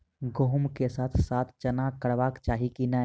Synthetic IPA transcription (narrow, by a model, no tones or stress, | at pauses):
ɡoɦʊmkesaːt̪ʰsaːt̪ʰt͡ʃɐnakəɽʋaːkt͡ʃaːɦikina